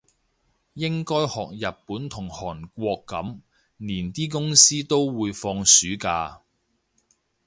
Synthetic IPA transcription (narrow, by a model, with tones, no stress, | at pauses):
jɪ˥ŋkɔː˥jhɔː˨k̚jɐ˨p̚pːuː˨˥nt̪ʰʊ˨˩ŋhɔː˨˩nkʷɔː˧kːɐ̰˨˥m | niː˨˩nt̪iː˥k̬ʊ˥ŋsiː˥t̪o˥wwuː˨˧jfɔː˧ŋsyː˨˥kaː˧